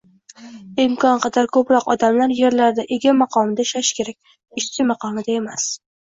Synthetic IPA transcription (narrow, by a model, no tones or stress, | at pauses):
ɪmkʰɒnqɑd̪aɾkʰɵpɾɒqɒd̪amlaɾje̞ɾlaɾd̪aʔe̞ɡʲamɑqʰɒmɪd̪aʃaʃkʲʰe̞ɾak̚ʲ | ɪʃt͡ʃɪmɑqʰɒmɪd̪ae̞mas